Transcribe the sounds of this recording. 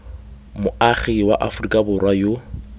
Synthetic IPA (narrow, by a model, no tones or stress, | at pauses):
mʊaχiwa̰ʔafʊrikʼabʊrwajo